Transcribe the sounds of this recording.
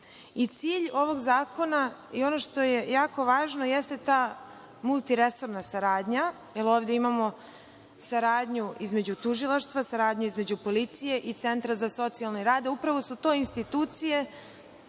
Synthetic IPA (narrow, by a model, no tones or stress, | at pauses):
it̪siːʎo̞ʋo̞ɡzaːkʰo̞naio̞no̞ʃt̪o̞je̞jaːko̞ʋaːʒnojest̪et̪aː | mulˠt̪iɾe̞so̞ɾnasaɾaːd̪ɲa | jelo̞ːʋd̪e̞imamo̞ | saɾaːd̪ɲuʔizme̞d͡ʑut̪uʒilˠaʃt̪ʋasaɾaːd̪ɲuizme̞d͡ʑupo̞lit̪sije̞ʔit̪se̞nt̪ɾazaso̞t̪sialˠneɾaːd̪aupɾaʋo̞sut̪o̞ːinst̪it̪uːt̪sije̞